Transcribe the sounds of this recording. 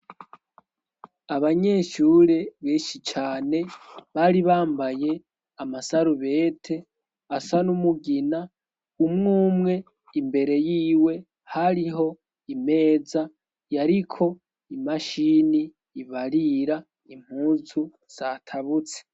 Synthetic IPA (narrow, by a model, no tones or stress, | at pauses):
aβaɲe̞ːʃuɾe̞βeːʃit͡ʃaːne̞βaːɾiβaːmbaje̞ | amasaɾuβe̞ːtʰe̞ | asanumuɡina | umŋuːmŋe̞ | imbe̞ɾe̞jiːwe̞ | haɾiɦo̞ | ime̞ːza | jaɾikʰo̞ | imaʃiniː | βaɾiɾa | im̥huːzu | z̥aːtʰaβut͡se̥